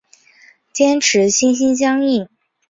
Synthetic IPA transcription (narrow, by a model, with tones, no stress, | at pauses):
t͡ɕjɛ˥nʈ͡ʂʰɻ̩˧˥ɕi˥nɕi˥nɕ̬jɑ˥ŋi˥˩